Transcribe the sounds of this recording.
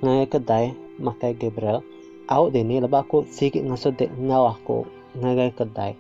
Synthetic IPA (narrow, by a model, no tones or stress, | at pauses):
ŋaɡajkədaj | makajɡebɾəl | ʔaʊʔdiniləbakuʔsiɡɪʔ̚ŋasudɛʔŋawakṵ | ŋaɡajkəda̰j